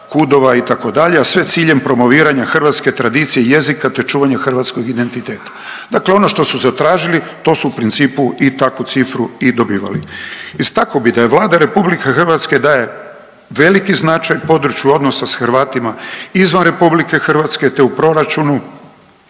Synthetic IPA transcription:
kud̪o̞ʋait̪ako̞d̪aʎe̞asʋe̞t̪siːʎempɾo̞mo̞ʋiːɾaɲaxrʋat̪ske̞t̪ɾad̪iːt̪sijeje̞zikat̪e̞t͡ʃuːʋaɲaxrʋat̪sko̞ɡid̪e̞nt̪it̪e̞ːt̪ḁd̪akleo̞no̞ʃt̪o̞suzat̪ɾaːʒili | t̪o̞ːsuupɾint̪siːpuʔit̪akut̪sifɾuid̪o̞biːʋa̰liist̪akobid̪ajeʋlˠaːd̪aɾe̞publikexr̩ʋat̪ske̞d̪aːje̞ | ʋe̞likiznat͡ʃajpo̞d̪ɾut͡ʃjuo̞d̪nosasxɾʋaːt̪imaizʋanɾe̞publike̞xr̩ʋat̪ske̞t̪eupɾo̞ɾat͡ʃunu

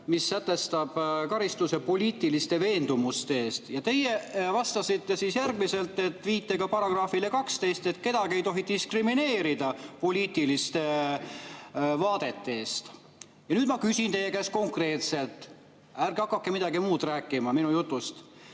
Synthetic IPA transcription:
misːæt̪ːˑe̞st̪ɑb̥kɑɾist̪use̞po̞lʲiːt̪ilist̪e̞ve̞ːnd̪umust̪eeːst̪jɑt̪e̞jevɑst̪ɑsit̪ːe̞sisjærɡmise̞lt̪ːˑe̞t̪ːˑviːt̪ːeɡ̥ɑpɑɾɑɡ̥rɑːfile̞kɑkst̪e̞jst̪e̞t̪ˑke̞d̪̥ɑɡ̥ie̞jt̪o̞ɦit̪iskrimine̞ːɾid̪̥ɑpo̞lʲiːt̪ilist̪e̞ | vɑːd̪e̞t̪ːe̞ːst̪ | jɑnyːd̪mɑkysint̪e̞jːekæsko̞ŋkre̞ːt̪se̞lt̪ˑ | ærɡɑkːɑkːemid̪ɑɡimuːd̪̥ræːkːˑimɑminujut̪ːˑust̪

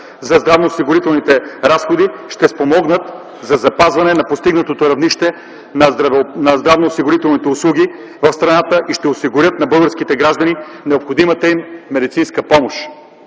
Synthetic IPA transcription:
zɐzd̪ɾavnosiɡʊɾit̪ɛlˠnit̪ɛɾasxod̪iʃt̪ɛspomɔɡnət̪ | zɐzɐpazvɐnɛnɐpost̪iɡnət̪ot̪oɾɐvniʃt̪ɛ | nɾɐvnɐzd̪ɾavnoːsiɡʊɾit̪ɛlˠnit̪ɛʊslˠuɡi | vɐfst̪ɾɐnat̪əʔiʃt̪ɛosiɡʊɾʲjət̪nɐbɤəlˠɡəɾsk̟it̪ɛɡɾaʒd̪ɐni | nɛopxod̪imət̪əimːɛd̪it̪sinskəpɔmoʃ

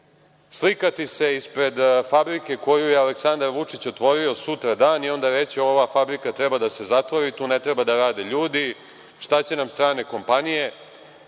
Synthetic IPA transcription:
slikat̪ise̞ispɾe̞d̪fabɾike̞ko̞jujealeksand̪aɾʋut͡ʂit͡ɕot̪ʋo̞ɾio̞sut̪ɾad̪aːnio̞nd̪aʋe̞t͡ɕio̞ʋafabɾikat̪ɾebad̪ase̞zat̪ʋoɾit̪uːnet̪ɾebad̪aɾaːd̪eʎuːd̪i | ʃt̪at͡ɕe̞namst̪ɾaːne̞ko̞mpanije̞

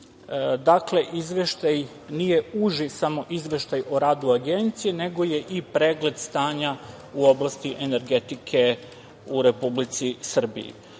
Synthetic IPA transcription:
d̪akle̞ʔizʋe̞ʃt̪aj | nije̞uʒisamo̞ʔizʋe̞ʃt̪ajoɾaːd̪uaɡent̪sijene̞ɡo̞je̞ʔipɾeːɡle̞d̪st̪aːɲa | uo̞blˠast̪iʔene̞ɾɡe̞t̪ikʰe̞ | uɾe̞publit̪sisr̩bḭjḭ

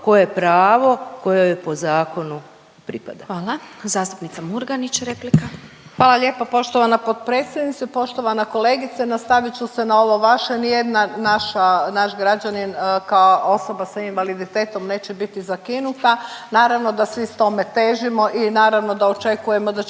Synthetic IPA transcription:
ko̞jepɾaːʋo̞ko̞jojepo̞zaːko̞nu | pɾipa̰d̪aʋaːlˠazaːst̪u̥pnit̪samuɾɡanit͡ɕɾeplika | xʋaːlˠaʎʲe̞ːpopo̞ʃt̪oʋanapod̪pɾe̞ːt̪sjed̪nit̪sepo̞ʃt̪o̞ʋanako̞le̞ːɡit̪senast̪aʋit͡ɕuse̞nao̞ʋo̞ʋaʃenijed̪nanaʃanaʃɡɾad͡ʑaninkaoʔo̞so̞basainʋalid̪it̪e̞ːt̪o̞mne̞ːt͡ɕebit̪izakinut̪anaːɾaʋno̞d̪asʋist̪o̞me̞t̪eːʒimo̞ʔinaːɾaʋno̞d̪aot͡ʃe̞kuje̞mo̞d̪a

